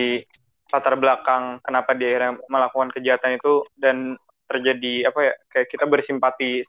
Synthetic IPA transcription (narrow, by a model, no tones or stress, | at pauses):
i | pat̪arblakaŋkənapadiahiɾjaməlakukankəd͡ʒaɦat̪anit̪udan | t̪ərd͡ʒadiapajakajaʔkit̪abərsimpat̪i